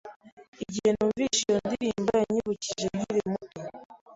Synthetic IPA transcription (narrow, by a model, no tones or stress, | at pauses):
iɟihenuːmviʃijondiɾimbaaɲiβuciʒeɡiɾemuto